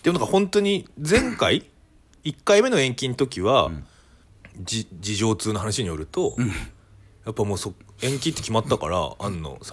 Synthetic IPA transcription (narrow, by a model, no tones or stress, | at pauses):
d̪emonakahõ̞nt̪o̞ɲ̟id͡zẽ̞ŋkai | ikːaime̞no̞ẽ̞ŋkʲĩnt̪o̞kʲiβa | d͡ʑid͡ʑiʑo̞ːt͡sɨːnoɦanaɕiɲ̟ijo̞ɾɯ̟t̪o̞ | japːamo̞ːsoẽ̞ŋkʲĩt̪ːekʲimat̪ːaka̰ɾa̰a̰nːo̞̰s